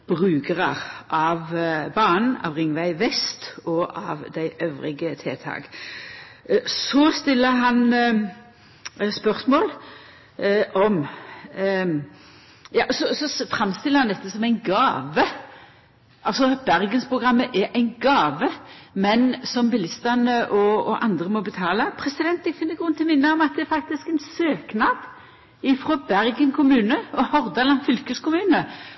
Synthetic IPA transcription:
b̥ʁʉːɡəʁəʁʔɑʋbɑːnn̩ɑ̰ʋʁɪŋʋæɪʋɛst̪ɔʔɑ̰ʋd̪æɪʔœʋʁɪ̰ɡət̪ʰeːt̪ʰɑ̰ːk | sɔst̪ɪlːəɦɑn | spœʁsmoːl | ʔɔm | jɑ̰ːsɔsɔfʁɑmst̪ɪlːəɾhɑnd̪ɛt̪ːəsɔmæɪnɡɑːʋə | ʔɑlsɔb̥æʁɡənspʰʁʊɡʁɑmːəʔɛɾʔæɪnɡɑːʋəmɛnsɔmbɪlɪst̪ənəʔɔɔʔɑ̰nd̪ʁəmɔbət̪ʰɑːləpʰʁɛsɪd̪ɛnt̪ɛɡfɪnːəɡʁʉnːt̪ʰɪmɪnːəɔmɑt̪̚d̪ɛɛɾfɑk̚t̪ɪskɛnsøːknɑd̪̥ | ɪfɾɔbæʁɡənkʰʊmʉːnəɔhɔʁd̪ɑlɑnfʏlkəskʊmʉːnə

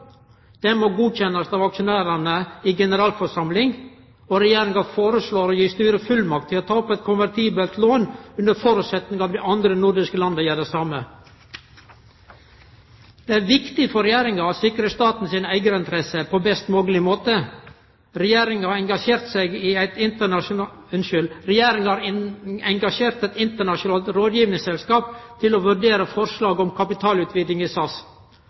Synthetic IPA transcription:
d̪̥ɛmoɡuːc͡çɛnːɑst̪ɑʋɑkʃʊnæːɾənəiːɡɛnəɾɑːlfɔʂɑmlɪŋ | oɾɛjeːɾɪŋɑfoːɾəsɭoːɾoːjiːst̪yːɾəfʉlmɑk̚t̪ʰːɪlɔt̪ʰɑːɔpɛɪt̪̚kʰʊnʋæɾt̪ʰiːbəlt̪ʰloːnʉnd̪əɾfɔɾʉːt̪sɛt̪nɪŋɑːʋd̪ɛʔɑnd̪ɾənʊɾɖ̪ɪskəlɑnd̪əjæːɖɛsɑmə | d̪̥ɛːæɾʋɪkt̪ɪfɔɾɛjeːɾɪŋɑɑsɪkɾəst̪ɑːt̪n̩sɪːnəæɪɡəɾɪnt̪ʰɾɛsəpʰɔbɛst̪mɔɡəlɪmoːt̪ə | ɾɛjeːɾɪŋɑɾɛŋɡɑʃeːɾt̪sɛɪɡɪæɪt̪ɪnt̪əɳɑ | ʉnʃʏlɾɛjeːɾɪŋhɑːɾɛŋɡɑʂeːɾt̪ɛt̪ɪnt̪əɳɑʂʊnɑːlt̪ɾoːd̪jiːʋnɪŋsɛlskɑːpt̪ʰɪlɔʋʉɾɖeːɾəfɔɾʂɭɑːɡɔmkʰɑpɪt̪ʰɑːlʉːt̪ʰʋiːd̪lɪŋɪsɑs

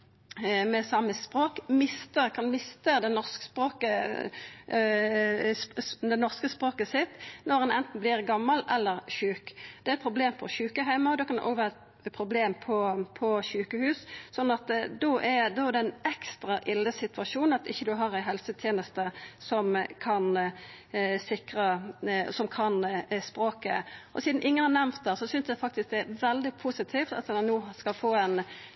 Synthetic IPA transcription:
mɛsɑmːəspʁoːkmɪst̪əkʰɑnmɪst̪əd̪ɛnɔʁskspʁoːkə | d̪ɛnɔʁskəspʁoːkəsɪt̪ːnɔʁɛnɛnt̪n̩blɪʁɡɑmːɑlʔɛlːəʁçʉːkd̪̥ɛæɛt̪pʰʁʊbleːmpʰɔʃʉːkəɦæɪmɑd̪oːkʰɑn̰ʔo̰ːʋæːʁt̪ | pʰʁʊbleːmpʰɔpʰɔʃʉːkəhʉːssɔnːɑt̪d̪oʔɛɾd̪ɔd̪ɛɪnɛkst̪ɾɑʔɪlːəsɪt̪ʋɑʂuːn̩ɑt̪ɪçːəd̪ʉɦɑʁæɦɛlsət̪ʰjeːnəst̪əsɔmkʰɑn | sɪkɾɑsɔmkʰɑnspɾoːkə̰ʔɔ̰siːd̪n̩ʔɪŋːənhɑʁnɛmt̪̚d̪æsɔsʏnsd̪ɛfɑk̚t̪ɪsk̚d̪ɛæʋɛld̪ɪpʰusɪt̪ʰift̪ɑ̰t̪nːuːskɑlfoːɛn

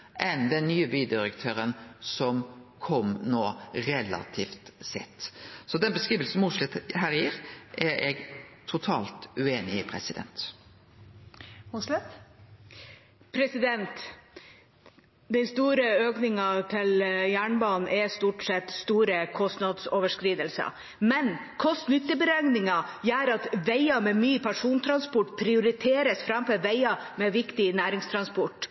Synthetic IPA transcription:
ʔɛnd̪ɛnnyːəbyːd̪ɪɾəkt̪ʰøːɾənsɔmkʰɔmnoːɾɛlɑ̰t̪ʰiːft̪sɛ̰t̪ːsɔd̪ɛnbəskʁiːʋəlsn̩mʊʂlɛt̪hæːɾjiːɾʔæɾɛɡt̪ʰʊt̪ʰɑːlt̪ʉeːnɪɪpʰɾɛsɪd̪ɛ̰nt̪ | ʊslɛt̪ | pʰɾɛsɪd̪ɛnt̪ | d̪ɛnst̪uːɾəøːknɪŋɑt̪ʰɪljæːɳbɑːnn̩ʔɛst̪uːʈsɛt̪st̪uːɾəkʰɔst̪nɑd̪soːʋəʂkɾiːd̪əlsə̰ | mɛn | kʰɔst̪nʏt̪ːəbəɾæŋnɪŋɑjæːɾɑt̪ʋæɪɑmɛmyːpʰæʂuːnt̪ʰɾɑnspɔʈːpʰɾɪʊɾɪt̪ʰeːɾəsfɾɑmfɛʋæɪɑmɛʋɪkt̪ɪnæːɾɪŋst̪ʰɾɑnspɔʈ

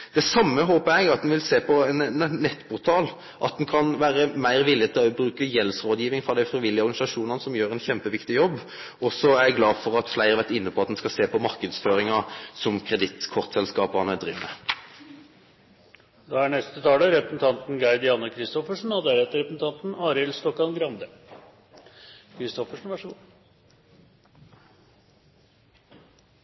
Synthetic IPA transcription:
d̪̥ɛsɑmːəɦoːpəæɡɑt̪̚d̪ɛnʋɪlseːpʰɔnnːɛt̪ːpʰʊʁt̪ʰɑːl | ʔɑt̪̚d̪ɛnkʰɑnʋæːɾəmæɪɾʋɪlɪət̪ʰɪlɔbɾʉːkəjɛlsɾoːd̪jiːʋɪŋfʁɑd̪æɪfɾʁiʋɪljəɔʁɡɑnɪsɑʂuːnɑnəsɔmjøːɾɛnçɛmpəʋɪkt̪ɪjɔbː | ɔsɔæɾjɛɡlɑːfɔɾɑt̪flæɪʁəɾʋæʁt̪ɪnːəpʰɔɑt̪̚d̪ɛnskɑseːpɔmɑʁkəd̪sføːɾɪŋɑsɔmkʰʁɛd̪ɪt̪kʰɔʁt̪sɛlskɑːpɑʁnɛd̪ʁiːʋnə | d̪ɑæɳɛst̪ət̪ʰɑːd̪əɾɛpɾəsn̩t̪ʰɑnt̪n̩ɡɑɪd̪ɪjɑːnəkʰɾɪst̪ɔfəʂn̩ɔd̪æɾɛt̪ːəɾɛpɾəsn̩t̪ɑnt̪n̩ɑːɾɪlst̪ɔkːɑnɡɾɑnd̪ə | kʰɾɪst̪ɔfəʂn̩ʋæʂ

